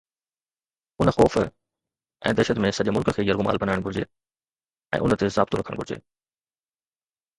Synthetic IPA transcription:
ʊnəxɔːf | ʔɛ̰̃ːd̪ɛɾʃət̪mẽsɐʄemʊlkəkʰeːjɐɾɡʊma̰ːlbɐnaːɪɽ̃ɡʱʊɾd͡ʑḛː | ɛ̰̃ːʔʊnət̪ezaːb̚t̪uɾɐkʰəɽ̃ɡʱʊɾɪd͡ʑḛː

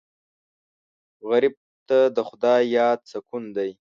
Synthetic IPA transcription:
ɣaɾib̚ | t̪ad̪əxʊd̪ɑjɑːd̪̚sakund̪aj

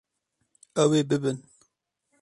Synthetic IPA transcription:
ɛweːbɨbɨn

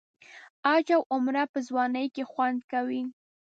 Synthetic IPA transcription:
ɑd͡ʒawʊmɾapəzwɑnəjkexwand̪kawi

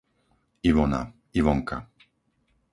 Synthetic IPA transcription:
ivɔna̰ | ivɔŋka̰

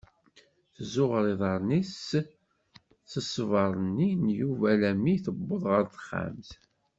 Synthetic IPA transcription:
θzʊʁɾiðˤɑɾˤnis | θəsvɑɾˤənːinjuvælæmiθəbːoðˤʁəɾθə̥χːa̰mθ

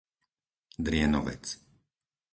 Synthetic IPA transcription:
d̪ɾɪɛnɔ̰ʋɛ̰t͡s

